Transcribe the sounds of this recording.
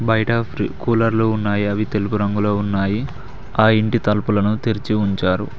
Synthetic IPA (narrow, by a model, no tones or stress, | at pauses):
bɐjɐʈɐpɾikuːlɐɾluːunːaːjiɐʋit̪e̞lupuɾɐŋɡulo̞ːunːaːji | aːiɳʈit̪ɐlpulɐnut̪iɾit͡ʃiuɲt͡ʃaːɾṵ